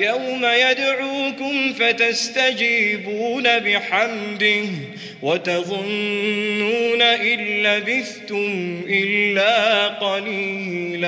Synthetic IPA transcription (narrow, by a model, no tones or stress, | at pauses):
jawmajad̪ʕuːkʊmfat̪ast̪ad͡ʒiːbuːnabɪħamd̪ɪh | wat̪ɑðˤʊnː | uːnaʔɪnːabɪθt̪ʊmʔɪlːaːqɑliː | la